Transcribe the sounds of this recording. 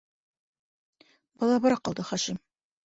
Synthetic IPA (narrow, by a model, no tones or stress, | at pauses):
bɑlˠɑbɒɾɑqɑlˠd̪ɤχɑʃim